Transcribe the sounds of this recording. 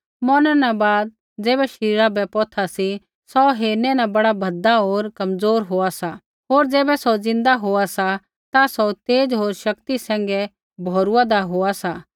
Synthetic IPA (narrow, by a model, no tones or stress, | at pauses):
mɔnɛ̃nãbaːd̪̚ | d͡zeːbɛʃɾiːɾabɛpɔːt̪ʰasi | sɔɦeːnɛnãbɐɽabʱɐd̪aɦoːɾkɐmd͡zoːɾɦoːasa | ɦoːɾd͡zeːbɛsɔd͡zɪ̃nd̪aɦoːasa | t̪asɔt̪eːd͡ʒɦoːɾʃɐkt̪isɛ̃ːŋ̆ɡɛ | bʱɔːɾuad̪aɦoːasa